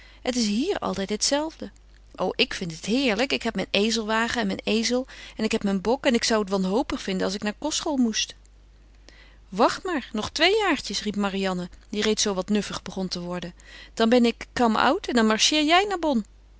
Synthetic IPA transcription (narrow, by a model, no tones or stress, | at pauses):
ɦətɪs̬ɦiːɹɑ̰lˠtɛjtɦətsɛlˠvdə | ʔo̰wʔɪkfɪntɦətɦɪːɹləkɪkɦɛp̚mɛjnejzəlˠʋaːχəɛnmɛjnejzəlˠɛnɪkɦɛpmɛnbɔkɛnɪksʌwətʋɑnɦowpəχfɪndənɑlˠs̬ɪknaːɹkɔsχolˠmust | ʋɑχtmaːɹnɔχtʋejjaːɹtəsripmarijɑnədirejtsowʋɑtnɵfəχbəχɔntəʋɔɹdəd̥ɑnbɛnɪkːɑmʌ̰wtɛndɑnmɑɹʃɪːɹjɛjnaːɹbɔn